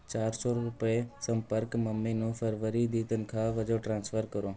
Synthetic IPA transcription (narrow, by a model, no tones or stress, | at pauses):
t͡ʃaːɾsoɾʊpesə̃mpəɾkməmːiːnũːfəɾʋəɾid̪iːt̪ənɪ̆kʰãːʋəd͡ʒoːʈɾãːnsfəɾkəɾoː